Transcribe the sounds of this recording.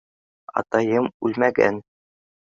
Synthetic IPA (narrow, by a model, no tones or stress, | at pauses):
ɑ̰t̪ɑjɤmʉlmæɡæ̰n